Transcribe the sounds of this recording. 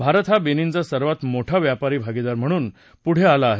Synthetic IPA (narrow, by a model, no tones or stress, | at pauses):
bʱaɾt̪ʰɦabenint͡sasəɾʋat̪moʈʰaʋjapaɾiːbʱaɡid̪aɾm̤əɽ̃uːn | puɽ̤ealaːɦe